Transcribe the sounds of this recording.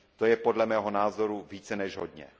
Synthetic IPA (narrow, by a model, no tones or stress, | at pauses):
t̪o̞jɛpo̞dlɛmɛːɦo̞naːzo̞ɾuviːt͡sɛnɛʒɦodɲɛ̰